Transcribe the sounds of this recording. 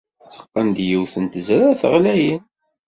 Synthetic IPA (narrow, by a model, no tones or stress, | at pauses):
θə̥qːənd̪jiwθənt̪əzɾaθəʁlæjən